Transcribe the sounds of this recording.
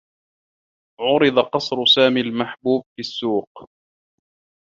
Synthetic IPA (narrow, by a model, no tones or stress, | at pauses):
ʕʊɾɨd̪ˤɑqɑsˤɾʊsaːmiːlmaħbuːb̚fisːuːq̚